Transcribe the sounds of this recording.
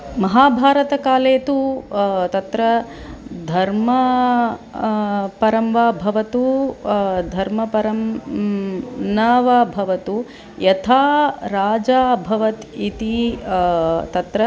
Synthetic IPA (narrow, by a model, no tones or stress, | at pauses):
mɐɦaːbʱaːɾɐt̪ɐkaːleːt̪ut̪ɐt̪ɾɐ | d̪ʱɐɾmɐ | pɐɾɐmʋaːbʱɐʋɐt̪u | d̪ʱɐɾmɐpɐɾɐm | nɐːʋɐbʱɐʋɐt̪u | jɐt̪ʰaːɾaːd͡ʒaːbʱɐʋɐt̪it̪i | t̪ɐt̪ɾɐ